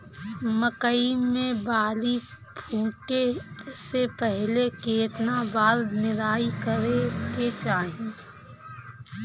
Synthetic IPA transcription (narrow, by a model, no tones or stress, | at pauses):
məkəiːẽbaːli | pʰuːʈesepɛɦlekeːt̪nabaːɾnɪɾaːikəɾeket͡ʃaːɦiẽ